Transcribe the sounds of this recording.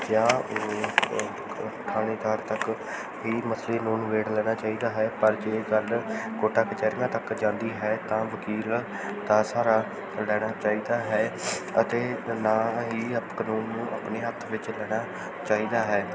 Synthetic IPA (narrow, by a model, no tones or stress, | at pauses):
jãː | ʈʰaːɽ̃eːt̪aːɾt̪ək | ɦiːməsʰleːnuːnʋeːɽlɛːɽ̃aːt͡ʃaːiːd̪aːɦɛːpəɾd͡ʒeːkəlkoːʈaːkət͡ʃɛːɾɡãːt̪əkd͡ʒãːnd̪iːɦɛːt̪ãːʋəkiːl | t̪aːsaːɾaː | lɛːɽ̃aːt͡ʃaːiːd̪aːɦɛːət̪eːnaːɦiːəpkənuːnːũːʔa̰ːpneːət̪ʰʋɪt͡ʃlɛːɽ̃aː | t͡ʃaːiːd̪aːɦɛː